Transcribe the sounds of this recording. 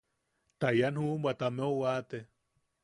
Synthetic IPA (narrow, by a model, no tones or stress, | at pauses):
t̪ajanhumbʷat̪ameowat̪e